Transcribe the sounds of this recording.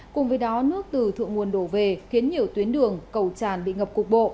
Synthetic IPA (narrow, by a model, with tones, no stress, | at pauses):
kʊ˨˩ŋ͡mvəː˨˦jɗɔ˨˦nɨ˦˥ək̚t̪ɨ˨˩t̪ʰɨ̰˧˨ŋu˨˩ənɗo˧˩ve˨˩xi˨˦ənɲi˨˩əwt̪wi˨˦ənɗɨ˨˩əŋkə˨˩wt͡ɕaː˧˩nɓḭ˧˨ŋə˨˩p̚kʊ˨˩k͡p̚ɓo̰˧˨ʔ